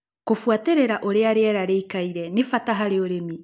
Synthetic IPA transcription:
kofuateɾeɾaʔoɾeaɾeaɾaɾeikaiɾɛnefataɦaɾeoɾemi

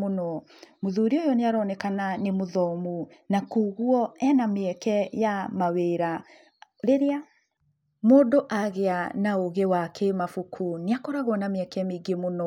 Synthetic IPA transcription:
onɔ | moðuːɾiojɔneaɾɔnɛkananemoðɔmunakuːɣuɔɛnameɛkɛjamaweɾa | ɾeɾea | moːdoʔaɣeanaoɣewakʰemafukʰuneakɔɾaɣwɔnameɛkɛjameɡemonɔ

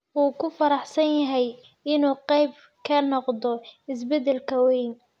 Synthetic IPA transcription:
ʔuːkʰʊfɐɾɑħsɐnjɐɦɛj | ɪnuːqɛjb | kʰɐnɔqd̪ɔɪs̬bɛd̪ɛlkʰɐwɛjn

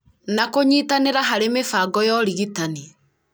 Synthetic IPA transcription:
nakoɲiːtaneɾaɦaɾemefaɡɔjɔɾiɣitani

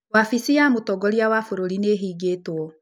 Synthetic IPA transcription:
wafisiamotɔɡɔɾiawafoɾoɾineːɦiːɡetwɔ

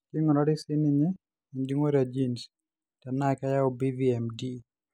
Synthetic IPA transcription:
kiŋɔnaɾisiniɲɛ | indiŋoɾad͡ʒins | tanakajaɔbiviɛmdi

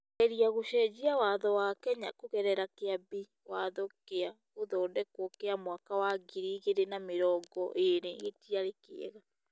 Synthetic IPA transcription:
ɛɾiaɣoʃɛd͡ʒiawaðɔwakɛɲa̰koɣɛɾɛɾakeabi | waðokea | oðɔːndɛkwokeamwakawaɡiɾiɣeɾenameɾɔːŋɡɔʔeɾeɣetiaɾekḛɛ̰ɣa

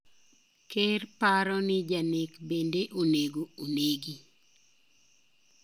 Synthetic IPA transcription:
kerpaɾɔnɪd͡ʒanekbendeʔoneɡooneɡi

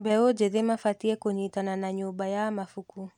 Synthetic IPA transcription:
bɛɔd͡ʒɛðimafatiɛkuɲitananaɲubajamafuku

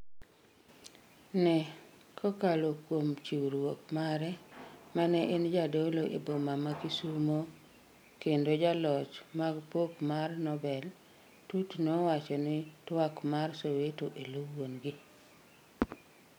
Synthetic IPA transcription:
nɛ | kʰɔkalokwomt͡ʃiwɾwokmaɾɛmanɛʔend͡ʒadoloʔḛbomamakisumo | kendod͡ʒalɔt͡ʃmaɡpokmarnɔbɛl | tutnɔwat͡ʃɔnɪtwakmarsowetoʔelowonɡi

